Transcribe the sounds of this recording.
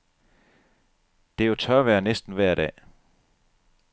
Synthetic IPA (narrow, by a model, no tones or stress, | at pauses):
d̥e̝jot͡sʰɶɐʋæːɐnesd̥n̩ʋæɐ̰ɾɛ̰ː